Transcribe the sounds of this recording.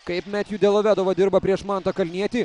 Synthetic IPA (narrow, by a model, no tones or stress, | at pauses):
kɐɪpmʲæt̪juːd̪ʲɛlˠoʋʲæːd̪ɐʋɐd̪ʲɪɾbɐpʲɾʲiɛʃmɑnt̪ɐkɐlʲnʲiɛt̪ʲiː